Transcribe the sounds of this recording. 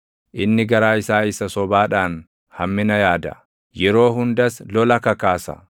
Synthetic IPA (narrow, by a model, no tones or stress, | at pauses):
ʔɪnːɪɡɐɾaːɪsaːɪsɐsɔbaːᶑaːn | hɐmːɪnɐjaːd̪ɐ̰ | jɛɾo̞ːɦʊnd̪ɐslɔlɐkɐkaːsɐ̰